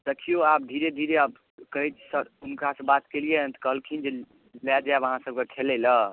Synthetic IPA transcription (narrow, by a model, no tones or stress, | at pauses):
d̪əkʰijoap̚d̪ʱiɾed̪ʱiɾeab | kəɦɛt̪səunkasẽbat̪keliet̪kəɦəlkʰind͡ʒe | lad͡ʒabəɦãsəb̚kekʰelɛlə